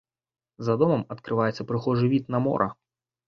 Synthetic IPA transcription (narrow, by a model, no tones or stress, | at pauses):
zɐd̪ɔmɐmɐt̪kɾɨvajɛt̪sːɐpɾɨxɔʐɨvʲit̪nɐmɔ̰ɾʔɐ̰